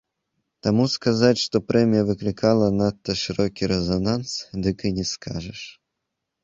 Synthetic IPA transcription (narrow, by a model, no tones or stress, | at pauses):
t̪amuskazatʲʂt̪ɔpɾɛmʲijɐvɨklʲɪkalˠɐnat̪ːɐʂɨɾɔkʲiɾɛzɐnansd̪ɨkɨnʲɛskʰaʐɛʂ